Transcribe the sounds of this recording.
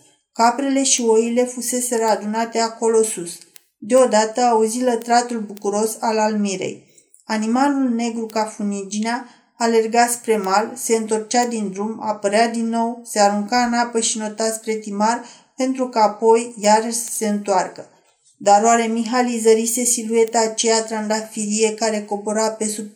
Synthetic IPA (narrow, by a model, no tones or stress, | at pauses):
kapɾe̞le̞ʃio̞jile̞fuse̞se̞ɾəad̪unat̪e̞ako̞lo̞sus | d̪e̞o̞d̪at̪əauzilət̪ɾat̪ulbukuɾo̞salalmiɾḛj | animalulne̞ɡɾukafunid͡ʒineaː | le̞rɡaspɾe̞malse̞ɨnt̪o̞rt͡ʃad̪ind̪ɾuma̰pəɾead̪inːo̞wse̞aɾuŋkanapəʃino̞t̪aspɾe̞t̪imar | pe̞nt̪ɾukaːpo̞jːaɾəʃse̞ɨnt̪oarkə | d̪aɾoaɾe̞miɦalizəɾise̞silue̞t̪aːt͡ʃejat̪ɾand̪afiɾie̞kaɾe̞ko̞boɾape̞sup